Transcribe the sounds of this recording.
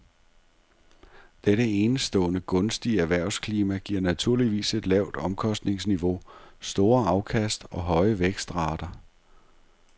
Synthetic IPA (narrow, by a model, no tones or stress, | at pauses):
d̥eɾəe̝ːnsd̥ɔ̰ːnəɡ̥ɔ̽nsd̥iæʋæɐ̰ʊskʰliːmæɡ̥iɐ̰næt͡sʰuɐ̰liʋḭːse̝d̥lɛʊ̰d̥ɒ̽mkʰɒ̽sd̥ne̝ŋsniʋo̝sd̥o̝ːɐɑ̈ʊkʰæsd̥ɒ̽ɦɒ̽ɪəʋeɡ̥sd̥ʁɑ̰̈ːd̥ɐ